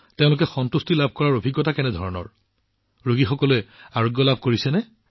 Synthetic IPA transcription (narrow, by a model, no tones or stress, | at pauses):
teʊ̃lʊkɛxɔntustilabʱkɔɹaɹobʱiɡːɔtakɛnɛdʱɔɹɔnɔ̰ɹ | ɹoɡixɔkɔlʊɛaɹoɡjɔlabʱkoɹisɛnɛ